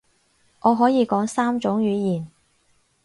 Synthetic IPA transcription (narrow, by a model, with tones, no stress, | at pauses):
ŋɔː˨˧ɦɔː˨˥jiː˨˧kɔː˨˥ŋsaː˥mt͡ʃʊ˨˥ŋɥyː˨˧jiː˨˩n